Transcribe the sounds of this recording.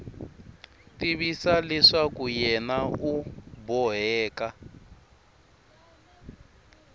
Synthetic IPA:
tiβisalɛʂakujɛnaubɔɦɛːka

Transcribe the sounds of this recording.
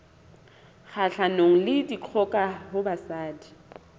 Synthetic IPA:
χaɬanoŋ̩lɪdiq͡χʰɔkʼahʊbasaːdi̥

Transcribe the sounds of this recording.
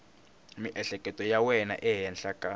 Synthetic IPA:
miʔɛɬɛkʼɛtʼɔjawɛna̰ʔɛɦɛnɬakʼa

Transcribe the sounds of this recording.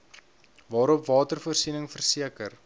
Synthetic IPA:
vɑːɾɔpvɑːtərfuərsinəŋfərsiəkər

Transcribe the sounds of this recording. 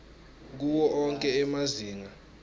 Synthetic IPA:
k̬uwɔʔɔŋkʼɛɛmaziːŋa

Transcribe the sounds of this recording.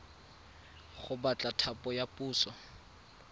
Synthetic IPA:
χʊbat͡ɬʼatʰapʼɔjapʼuːsɔ

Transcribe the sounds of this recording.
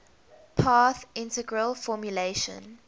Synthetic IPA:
pʰɑθɪ̃ntəɡɹəlfɔmjuleʃə̰̃n

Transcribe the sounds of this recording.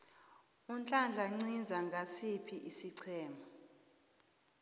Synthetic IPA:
unt͡ɬʼand͡ɮʱaŋ͡ǀind͡zʱaŋɡʱasipʰiʔisiǀʰɛːma

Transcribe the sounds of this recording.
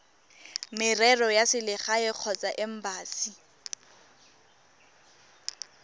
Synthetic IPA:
mɪrɛrɔjasɪlɪχaɪq͡χʰɔt͡saʔɪm̩baːsi

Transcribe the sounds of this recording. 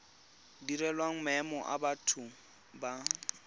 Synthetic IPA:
diɾɛlwaŋ̩mɛmɔʔa̰batʰʊ | ba

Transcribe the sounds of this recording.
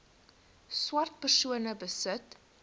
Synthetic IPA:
swɐrt̚pərsuənəbəsət

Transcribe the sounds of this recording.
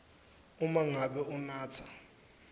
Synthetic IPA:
umaŋaɓɛunaːt͡sʰḁ

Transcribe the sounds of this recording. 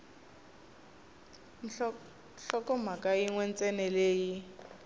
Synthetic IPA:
ɬɔkɔmakʼaiŋwɛn̩t͡sʼɛnɛleːji

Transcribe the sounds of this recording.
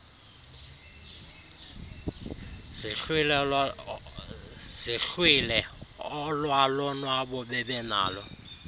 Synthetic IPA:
ɬwil | siɬwilɛɔlwalɔnwaɓɔɓɛɓɛna̰ːlɔ

